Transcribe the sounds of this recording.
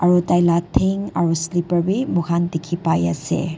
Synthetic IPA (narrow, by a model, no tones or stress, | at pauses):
aɾutajlatʰiŋa̰ɾuslipəɾbimukʰandikʰipajɐsḛ